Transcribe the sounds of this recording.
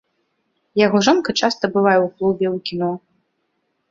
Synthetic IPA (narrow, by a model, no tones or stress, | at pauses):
jaɣɔʐɔnkɐt͡ʂast̪ɐbɨvajɛwklˠubʲɛwkʲinɔ